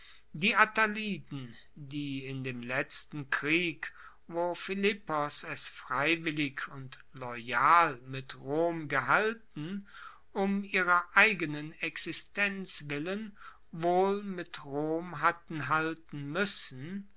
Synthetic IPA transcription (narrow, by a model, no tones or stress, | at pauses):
diːʔataliːdn̩ | diːɪndeːmlɛt͡stn̩kʁ̥iːk | voːfɪlɪpɔsɛsfʁ̥aɪvɪlɪçʊnt | lɔʏjaːlmɪtʁoːmɡəɦaltn̩ | ʊmiːʁɐʔaɪɡənənɛksɪstʰɛnt͡svɪlən | voːlmɪtʁoːmɦatn̩ɦaltn̩mʏsn̩